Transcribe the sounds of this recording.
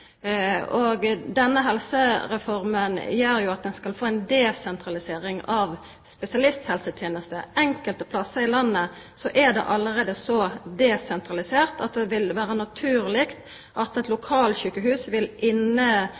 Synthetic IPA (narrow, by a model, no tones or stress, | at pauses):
oɡd̪ɛnːəɦɛlsəɾɛfɔʁmənjøːɾjʊɑt̪̚d̪ɛnskɑlfoːɛnd̪ɛsɛnt̪ʁɑlɪseːɾɪŋɑʋ | spɛsɪɑlɪst̪hɛlsət̪ʰjeːnəst̪ə̰ɛŋkəlt̪əpʰlɑsəɪlɑnːə | sɔʔæd̪ɛ̰ʔɑləɾeːd̪əsɔd̪ɛsɛnt̪ʁɑlɪseːʁt̪ɑt̪̚d̪ɛʋɪlʋæːɾənɑt̪ʰʉːɾlɪkt̪ | ʔɑt̪ɛt̪lʊkʰɑːlçʉːkəɦʉːsʋɪlʔɪnːə